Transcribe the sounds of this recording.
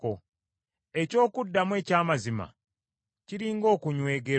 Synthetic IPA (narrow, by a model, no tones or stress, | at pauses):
o | e̞co̞ːkudːamwe̞ːcaːmazima̰ | ciɾiːŋɡo̞ːkuɲwe̞ːɡe